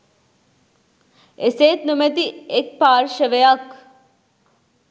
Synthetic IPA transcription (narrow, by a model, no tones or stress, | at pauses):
eseːt̪numet̪iek̚paːɾʃəʋeɐk